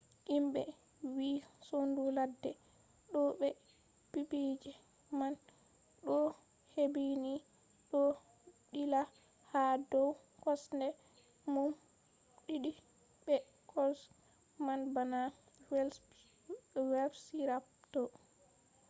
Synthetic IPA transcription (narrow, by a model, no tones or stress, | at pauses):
ʔimɓɛ | wiːsonduladːɛ | ɗɔɓɛ | pibid͡ʒɛ | man | ɗɔ | hebini | ɗɔ | ɗila | hadɔw | kɔsndɛ | mum | ɗiɗi | bɛ | kʰɔs | manbana | wɛl | wɛlbsiɾaptɔ